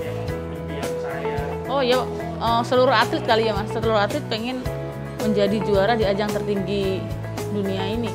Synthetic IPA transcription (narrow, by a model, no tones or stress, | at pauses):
aj | ɔhja | əːsəluɾʊat̪lɪt̪̚kaliamasəluɾʊɦat̪lɪt̪̚peŋɛn | məɲd͡ʒadid͡ʒuaɾahdiad͡ʒaŋt̪ərt̪iŋɡi | duniaini